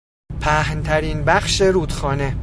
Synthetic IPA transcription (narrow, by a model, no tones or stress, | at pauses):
pʰæhnt̪ʰæɾinbæχʃe̞ɾuːd̪xɒːne̞